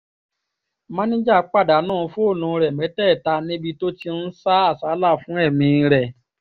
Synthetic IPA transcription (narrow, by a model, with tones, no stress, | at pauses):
mã˦nĩ˦d͡ʒa˦k͡pa˦˨da˨˦nãː˦˨˧fo˦˨nũ˨˧ɾɛ˨mɛ˨˦tɛ˦˨ta˧nĩ˦bi˧to˦ti˧n̩˦sa˦a˦˨sa˨˦la˦˨fũ˨˦ɛ˦˨mĩ˧ɾɛ˨